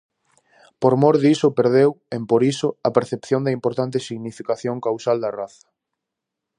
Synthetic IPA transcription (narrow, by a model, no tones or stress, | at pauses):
poɾmoɾðisʊpeɾðewempoɾisʊɐpeɾθepθjond̪ɐimpoɾt̪ant̪ɪsiɣnifikaθjoŋkawsald̪ɐraθɐ̥